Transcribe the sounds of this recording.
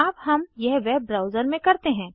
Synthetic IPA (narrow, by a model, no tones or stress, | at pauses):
aːpɦɐmjɛɦʋɛb̚ːɾaːʊzəɾmẽkɐɾt̪eɦɛ̃ː